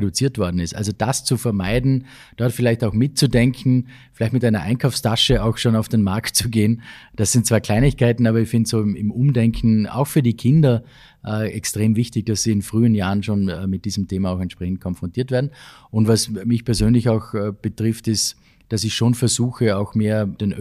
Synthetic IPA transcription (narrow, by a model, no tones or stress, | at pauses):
edʊt͡siːɐtv̥ɔɐdn̩ɪstʔa̰lzod̥ast͡sufɛɐmaɪdn̩ | d̥ɔɐtfɪlaɪçtaʊxmɪt̚t͡sudɛŋkʰn̩ | fɪlaɪçtmɪtaɪnɐʔa̰ɪnkʰaʊfstʰaʃəaʊxʃoːnaʊfd̥enmaɐktt͡suɡeːnd̥asːɪnt̚t͡sːv̥aːɐkʰl̥aɪnɪçkʰaɪtn̩aːbɐɪçfɪndtsoːmɪ̰mʔʊmdɛŋkʰn̩a̰ʊxfyːɐdikʰɪndɐ | ʔːɛkstʁ̥eːmvɪçtɪçd̥asz̥iːɪnfʁ̥yːənjaːʁənʃoːnmɪt̚d̥iːzəm̩tʰeːmaaʊxɛntʃpʁ̥ɛçn̩t̚kʰɔnfʁɔntʰiːɐtveːɐdn̩ | ʊntvasmɪçpɛɐzøːnlɪçaʊxb̥ətʁɪftɪs | d̥asɪçʃoːnfɛɐzuːxəaʊxmeːɐd̥eːnʔ